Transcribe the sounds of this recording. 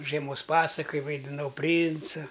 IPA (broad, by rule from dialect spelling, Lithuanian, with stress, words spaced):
ʒʲiɛˈmoːs ˈpɑːsɐkɐj ʋɐɪdʲɪˈnɐʊ ˈpʲrʲiːnt͡sɐ